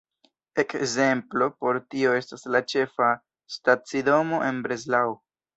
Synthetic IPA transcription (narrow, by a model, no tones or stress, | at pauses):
e̞kze̞mplo̞po̞ɾtio̞e̞staslat͡ʃe̞fa | stat͡sido̞mo̞ʔe̞nbɾe̞zlaw